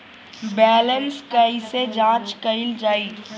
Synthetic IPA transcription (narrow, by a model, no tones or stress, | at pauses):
bɛːlənskəised͡ʒãːt͡ʃkəɪld͡ʒaːi